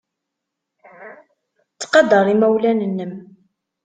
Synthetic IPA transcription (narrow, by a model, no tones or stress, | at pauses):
t͡sːqɑd̪ɑɾˤimæwlænənːəm